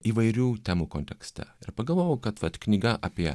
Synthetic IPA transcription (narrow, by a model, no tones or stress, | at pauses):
iːʋɐɪɾʲuːt̪ʲɛmukɔnʲt̪ʲɛkst̪ɐ̰ɪɾpɐɡɐlˠʋoːjokɐt̪ʋɐt̪knʲɪɡɐʔɐpʲiː